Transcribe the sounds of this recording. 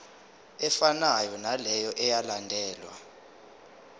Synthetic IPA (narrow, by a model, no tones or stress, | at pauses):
ɛfanajɔnalɛjɔʔɛjalandʱɛːlwa̰